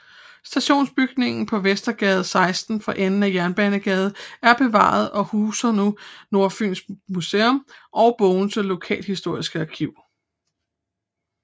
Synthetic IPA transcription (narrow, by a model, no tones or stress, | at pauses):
sd̥æɕo̝̰ːnsb̥yɡ̥ne̝ŋn̩pʰɒ̽ʋesd̥ɐɡ̥ɛːð̞̩ˠsɑ̈ɪsd̥n̩fɒ̽ʔenn̩æjæɐnb̥ænəɡ̥ɛːð̞ˠæɐb̥e̝ʋɑ̰̈ð̞̩ˠɒ̽huːsɐnuno̝ɐfy̰ːnsmuseɔmʔɒ̽ʊb̥ɔʊn̩səlo̝kʰɛ̰ːlhisd̥o̝ɐ̰isɡ̥əɑkʰiʊ̰